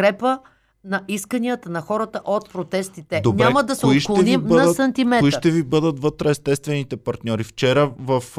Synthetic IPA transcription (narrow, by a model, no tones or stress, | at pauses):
kɾɛpə | nɐʔiskəniət̪ənɐxɔɾət̪əʔot̪̚pɾot̪ɛst̪it̪ɛd̪onɲʲɛamɐd̪ɐsɛiʃklˠnimnɐsɐnt̪imɛiʃt̪ɛvibɤd̪ət̪vɤt̪ɾɛɛst̪ɛst̪vɛnit̪ɛpɐɾt̪nʲɔɾift͡ʃɛɾəvɐf